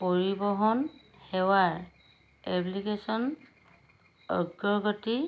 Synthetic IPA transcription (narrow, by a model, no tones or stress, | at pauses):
poɹibɔɦɔn | hɛwaɹ | ɛblikesɔn | ɔ̰ɡːɔɹɡɔti